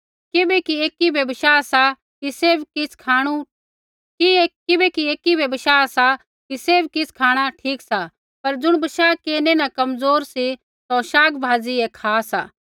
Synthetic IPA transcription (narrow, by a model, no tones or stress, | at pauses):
kɪbɛkieːkibɛbɐʃaːsa | kiseːbkɪskʰaːɽ̃u | kikɪbɛkieːkibɛbɐʃaːsa | kiseːbkɪskʰaːɽ̃aʈʰiːksa | pɐɾd͡zʊɽ̃bɐʃaːkeːnenakɐmzoːɾsi | t̪oʃaːɡbʱaːziɛkʰaːsa̰ː